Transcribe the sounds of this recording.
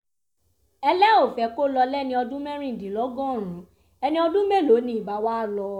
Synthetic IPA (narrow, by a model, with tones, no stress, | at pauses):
ɛ˧lɛ˦o˦˨fɛ˨˦ko˦lɔ˧lɛ˦˨nĩ˧ɔ˧dũ˦mɛ̃˦ɾ̃ĩ˦˨dĩ˨lɔ˨˦ɡɔ̃˦˨ɾ̃ũ˨˦ | ɛ˧nĩ˦ɔ˧dũ˦mẽ˦˨lo˨˦nĩ˨˦i˨ba˨˦wa˦a˦˨lɔ˧